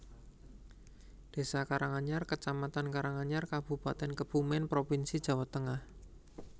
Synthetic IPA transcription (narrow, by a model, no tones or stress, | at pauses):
d̪̥e̤sakaɾaŋaɲarkət͡ʃamat̪ankaɾaŋaɲarkab̥ṳpat̪ɛnkəb̥umɛnpɾopinsid̥ʒ̥a̤wat̪əŋah